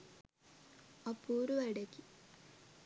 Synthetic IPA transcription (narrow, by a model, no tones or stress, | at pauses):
ɐpːuːɾuʋɐɽekːi